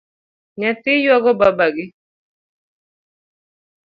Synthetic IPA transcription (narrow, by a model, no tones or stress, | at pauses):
ɲɛt̪ɪjwaɡɔbabaɡɪ